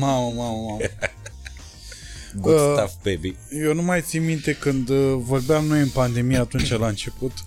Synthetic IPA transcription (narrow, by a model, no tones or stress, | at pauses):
maməmaməmam | ɡuəsavbebi | jewnumajt̪simmːint̪e̞kɨnd̪vo̞rbeamno̞jɨnpand̪e̞mijaaːt̪unt͡ʃalaɨnt͡ʃe̞put̪